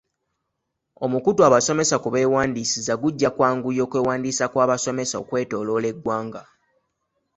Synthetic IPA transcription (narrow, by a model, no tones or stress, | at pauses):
o̞mukutwaβaso̞me̞sakuβe̞ːwaːndiːsizaɡuɟːakwaːŋɡujo̞ːkweːwaːndiːsakwaːβaso̞me̞sao̞̰kwe̞ːto̞ːlo̞le̞ɡwaːŋɡa